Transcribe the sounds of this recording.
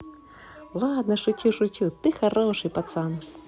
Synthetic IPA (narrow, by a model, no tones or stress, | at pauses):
lˠad̪nɐʂʊt͡ɕʲuʂut͡ɕʲut̪ɨxaɾɔʂɨjpat̪san